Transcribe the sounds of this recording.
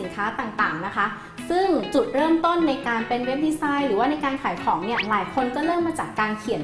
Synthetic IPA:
i˩˦nkʰaː˦˥t̪aː˨˩ŋt̪aː˨˩ŋna˦˥kʰa˦˥ | sɯ˥˩ŋt͡ɕu˨˩t̪̚ɾɤː˥˩mt̪o˥˩nːa˧jkaː˧npe˧nwe˦˥p̚diː˧saː˧˥jɾɯː˩˦waː˥˩na˧jkaː˧nkʰaː˩˦jkʰɔː˩˦ŋni˥˩ɐlaː˨˩˦jkʰo˧nt͡ɕa˨˩ɾɤː˥˩mːaː˧t͡ɕaː˨˩kːaː˧nkʰi˨˩˦n

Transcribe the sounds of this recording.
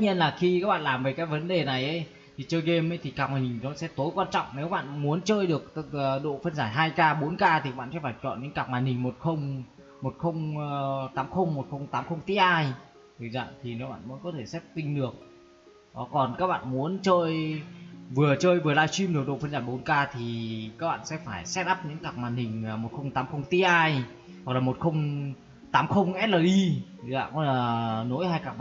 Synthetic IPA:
t̪̚ːɲi˧ənlaː˨˩xi˧kaː˦˥k̚ɓa̰ː˧˨laː˨˩mve˨˩jkaː˨˦˥jvə˨˦nɗe˨˩na˨˩jʔə˨˦j | t̪ʰi˨˩t͡ɕəː˧jɣe˧mə˨˦jt̪ʰi˨˩kaː˨˩k̚maː˨˩jhï˨˩ŋ̟nɔ˨˦sɛ̰˧˥t̪o˨˦jkwaː˧nt͡ɕɔ̰˧˨wŋ͡mne˨˦wɓa̰ː˧˨nmu˨˦ənt͡ɕəː˧jɗɨ˨˩ək̚ːɗo̰˧˨fə˧nzaː˧˩ɦaː˧jkaː˧ɓo˨˦nkaː˧t̪i˨˩ka˦˥ɓa̰ː˧˨sɛ̰˧˥faː˧˩jt͡ɕɔ̰˧˨nɲə̰˧˥nkaː˨˩k̚maː˨˩hï˨˩ŋ̟mo˨˩t̚xə˧wŋ͡m | mo˨˩t̚xə˧wŋ͡mt̪aː˨˦mxə˧wŋ͡mmo˨˩t̚xə˧wŋ͡mt̪aː˨˦mxə˧wŋ͡mt̪i˧˦ʔaː˧j | t̪ʰɨ˨˩za̰ː˧˨t̪ʰi˨˩ne˨˦wɓa̰ː˧˨məː˨˦jkɔ˨˦t̪ʰe˧˩sɛ˦˥p̚t̪ï˧ŋ̟ɗɨ˨˩ək̚ | ɗɔ˨˦kɔ˨˩nkaː˦˥k̚ɓa̰ː˧˨nmu˨˦ənt͡ɕəː˧j | vɨ˨˩ət͡ɕəː˧jvɨ˨˩əlaː˧jswi˧mɗɨ˨˩ək̚ɗo̰˧˨fə˧nzaː˧˩ɓo˨˦nkaː˧t̪ʰi˨˩kaː˦˥k̚ɓa̰ː˧˨nsɛ̰˧˥faː˧˩jsɛ˦˥t̚ʔaː˦˥p̚ɲɨ̰˧˥ŋkaː˨˩k̚maː˨˩nhï˨˩ŋ̟ː˨˩mo˨˩t̚xə˧wŋ͡mt̪aː˨˦mxə˧wŋ͡mt̪i˧˥ʔaː˧j | zɔ˨˩klaː˨˩mo˨˩t̚xə˧wŋ͡m | t̪aː˨˦mxə˧wŋ͡mʔɛ˦˥t̚ləː˨˩ʔi˧tʰɨ˨˩za̰ː˧˨kɔ˧˦laː˨˩no˨˧˦jhaː˧jkaː˨˩k̚

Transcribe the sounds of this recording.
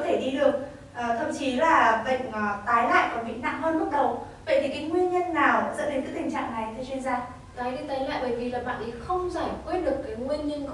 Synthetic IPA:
ɔ˨˦t̪ʰe˧˩ɗi˧ɗɨ˨˩ək̚ | ʔːt̪ʰə˧˨ŋ͡mt͡ɕi˨˦laː˨˩ɓə̰˧˨jŋ̟˨˩t̪aː˨˦jla̰ː˧˨jkɔ˧˩mḭ˧˨ŋna̰ː˧˨ŋmə˧nɓt̚ɗə˨˩wvə̰˧˨jt̪ʰi˨˩kaː˨˦jŋwi˧ənɲə˧nːaː˨˩wzə̰ː˧˥ɗe˨˦nkɨ˨˦t̪ï˨˩ŋ̟t͡ɕa̰ː˧˨ŋna˨˩jt̪ʰːt͡ɕɥi˧ənzaː˧ | k̪aː˨˦jɗi˧t̪aː˨˦jla̰ː˧˨jɓəː˧˩jvi˨˩laː˨˩ɓa̰ː˧˨nɗʰi˨˩xə˧wŋ͡mzaː˧˩kwe˦˥t̚ɗɨ˨˩əkːaː˨˦jŋwi˧ənɲə˧n

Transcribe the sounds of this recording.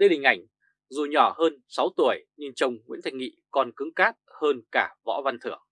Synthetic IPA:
ɗə˧jɗï˨˩ŋ̟ʔa˧˩jŋ̟ | zu˨˩ɲɔ˧˩həː˧nsa˨˦wt̪u˧˩əjɲɨ˧ŋt͡ɕə˨˩wŋ͡mŋwḭ˧˥nt̪ʰa˧jŋŋḭ˧˨kɔ˧˩nkɨ˨˦ŋkaː˦˥t̚həː˧nkaː˧˩vɔ̰˧˥va˧nt̪ʰɨ˧˩əŋ

